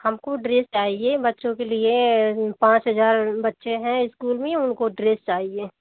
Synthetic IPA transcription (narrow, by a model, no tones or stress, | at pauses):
hɐmkoɖɾeːst͡ʃaːɦiebɐtːʃõkeliepãːt͡ʃɦɐzaːɾbɐtːʃeɦɛ̃ɪskuːlmẽʊnkoɖɾeːst͡ʃaːɦieː